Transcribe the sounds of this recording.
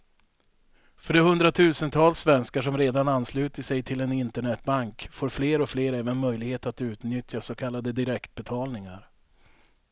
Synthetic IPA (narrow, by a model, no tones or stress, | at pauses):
fœɖɛhɵnd̪ɾat̪ʰʉ̟ːsənt̪ʰɑːlsːvɛnskaʂɔmɾeːd̪ananːslʉ̟ːt̪əʂɛjt̪ʰɪlɛnɪnt̪əɳɛt̪baŋkfoːɾfleːɾɔfleːɾɛːvənmœjlɪɡheːt̪at̪ʉ̟ːt̪nʏt̪ʰjasɔkʰalːad̪əd̪ɪɾɛkt̪̚bɛt̪ʰɑːlnɪŋa̰ɾ